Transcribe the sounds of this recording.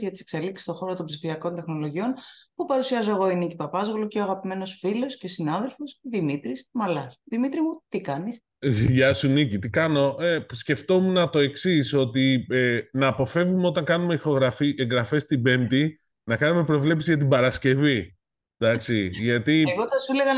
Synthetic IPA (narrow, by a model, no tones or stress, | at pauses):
zʝɐt̪i̥sekse̞liksi̥st̪o̞xo̞ɾot̪ombsifiɐko̞nt̪e̞xno̞lo̞ʝio̞npupɐɾusiɐzoeɣo̞inicipɐpɐzɣoloce̞oɐɣɐpime̞no̞sfilo̞sce̞sinɐðe̞lfo̞sðimit̪ɾismɐlɐsðimit̪ɾimut̪ikɐnis | ʝɐsunicit̪ikɐno̞esce̞ft̪o̞munɐt̪o̞e̞ksiso̞t̪ienɐːpo̞fe̞vumeo̞t̪ɐŋkɐnume̞ixo̞ɣɾɐfiʔeŋɡɾɐfe̞st̪ibe̞mt̪i | nɐkɐnume̞pɾo̞vle̞psizʝɐt̪̬ibɐɾɐsce̞vi | d̪ɐksiʝɐt̪iɣoθɐsueleɣɐ